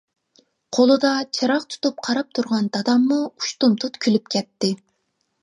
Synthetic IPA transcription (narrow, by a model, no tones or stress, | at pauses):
qʰolˠɨd̪ɑt͡ʃʰɑɾɑqt̪ʰu̥t̪up̚qʰɑɾɑp̚t̪ʰuɾʁɑnd̪ɑd̪ɑmːuuʃt̪umt̪ʰut̪kʲʰylypkʲʰɛt̪ːɪ